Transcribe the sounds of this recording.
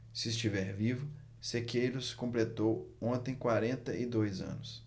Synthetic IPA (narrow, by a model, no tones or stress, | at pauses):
sɪːst͡ʃivɛɾvivʊ | sekejɾʊsɪ̥kõmplet̪owõt̪ẽj̃kwaɾẽnt̪ɐʔɪd̪ojzɐ̰̃nʊs